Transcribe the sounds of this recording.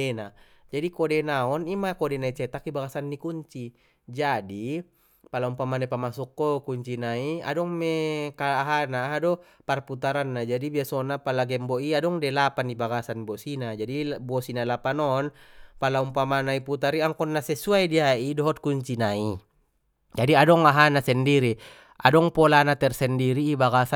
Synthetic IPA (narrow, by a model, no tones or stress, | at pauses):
ena | d͡ʒadikɔdenaɔnimakodɛnait͡ʃɛt̪akibaɡasanːikuɲt͡ʃi | d͡ʒadi | palaumpamanaipamasukːɔkuɲt͡ʃinaia̰dɔŋmekaːɦanaɦadɔ | parput̪aɾanːad͡ʒadibiasɔnapalaɡɛmboiadɔŋdɛlapanibaɡasanbosinad͡ʒadibosinalapanɔnpalaumpamanaiput̪aɾiaŋkɔnːasɛsuaidiaidɔɦɔt̪̚kuɲt͡ʃinai | d͡ʒadiadɔŋaɦanasɛndiɾi | ʔa̰dɔŋpɔlanat̪ɛrsɛndiɾiːbaɡasa